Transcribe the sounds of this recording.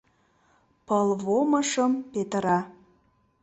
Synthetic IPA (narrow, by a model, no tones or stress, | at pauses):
pɤlβoməʃə̆mpet̪əɾɑ